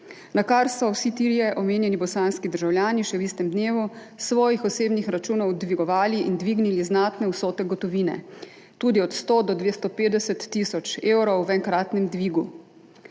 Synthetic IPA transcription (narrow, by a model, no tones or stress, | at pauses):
nakaɾsɔwsit̪iɾijɛʔɔmeːnjɛnibɔsaːnskid̪əɾʒawljaːniʃɛwist̪ɛmd̪neːʋu | sʋɔːjixɔseːbnixɾat͡ʃuːnɔwd̪ʋiɡɔʋaːliʔind̪ʋiːɡniliznaːt̪nɛwsoːt̪ɛɡɔt̪ɔʋiːnɛ̰ | t̪uːd̪iɔt̪st̪oːd̪ɔd̪ʋeːst̪ɔpeːd̪ɛsɛt̪ːisɔt͡ʃeːwɾɔwʋɛŋkɾaːt̪nɛmd̪ʋiːɡu